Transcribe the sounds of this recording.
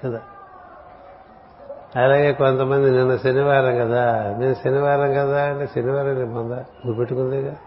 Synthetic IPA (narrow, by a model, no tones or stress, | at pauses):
kɐd̪aː | ɐlaːɡe̞ːkont̪ɐmɐnd̪ininːɐʃɐniʋaːɾɐŋkɐd̪ameːmʃɐniʋaːɾɐmkɐd̪aːɐɳʈeːsɐniʋaːɾɐŋnebɐnd̪aɡubeʈːukund̪ekɐ